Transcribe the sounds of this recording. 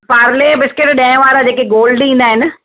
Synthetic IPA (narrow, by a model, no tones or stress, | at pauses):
paːɾlebɪskɪʈɗɛ̃ːɪ̃ʋaːɾad͡ʑeːkeɡoːlɖĩːn̆d̪aːɦɪnɪ̆